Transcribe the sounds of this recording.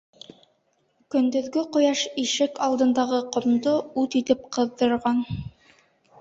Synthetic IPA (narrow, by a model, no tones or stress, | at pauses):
kɵ̆nd̪ɵ̆ðɡɘqŏjɑʃiʃɘkɑlˠd̪ɤ̆nd̪ɑʁɤqŏmd̪oʉt̪it̪ɘp̚qɤ̆ðdɤ̆ɾʁɑn